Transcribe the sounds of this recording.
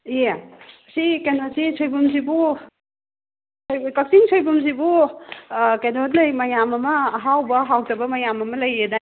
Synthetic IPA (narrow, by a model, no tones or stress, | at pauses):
je | sikenosisʰojbumzibu | sojkɐk̚siŋsʰojbumz̬ibu | kedot̚nɐjmɐjamɐmɐːɦawbɐɦawtɐbɐmɐjamɐmɐlɐjeda